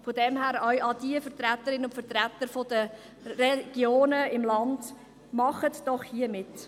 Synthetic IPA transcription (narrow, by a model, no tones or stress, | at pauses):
fodɛmhæːɾœɥʔɑdiəfəɾt̪ɾæt̪ːəɾɪnəʊntfəɾt̪ɾæt̪əɾfod̥ə | ɾɛɡ̥joːnəɪmlɑnd̥ | mɑχətd̥ɔχhiəmɪt